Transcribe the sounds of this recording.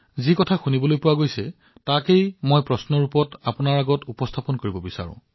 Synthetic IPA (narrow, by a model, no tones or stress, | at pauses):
zikɔtʰaxunibɔlojpʊwaɡojsɛ | takejmojpɹɔsnɔɹupɔtapʊnaɹaɡɔtupɔstʰapɔnkoɹibɔbisa̰ɹʊ̰̃